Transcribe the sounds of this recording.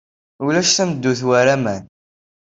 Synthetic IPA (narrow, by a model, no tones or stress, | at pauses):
ulæʃθæməd̪ːuθwæɾæmæn